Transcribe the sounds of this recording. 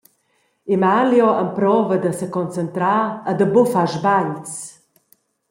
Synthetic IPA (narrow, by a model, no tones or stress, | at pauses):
imaljɔʔəmpɾɔvəd̪əsəkɔnt͡sənt̪ɾaəd̪əbufaʒbaɲt͡s